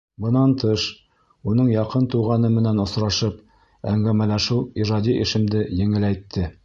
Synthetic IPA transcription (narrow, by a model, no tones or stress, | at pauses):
bɤ̆nɑnt̪ɤʃ | unɤɴjɑqɤnt̪uʁɑnɤmɘ̆nænŏsɾɑʃɤp | æŋɡæmælæʃɘwˠiʒɑd̪ʲiʔɘ̆ʃɘ̆md̪ɘjɘ̆ŋɘ̆læjt̪ʰːɘ